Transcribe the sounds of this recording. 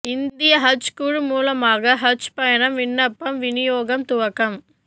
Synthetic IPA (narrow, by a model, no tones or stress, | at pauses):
ɪndd̪ɪjɐɦɐt͡ʃkuːɻmuːlɐmaːɣɐɦɐt͡ʃpɐjɐnɐmʋɪɳːɐpːɐmʋɪnɪjoːɣɐmt̪ʊʋɐkɐm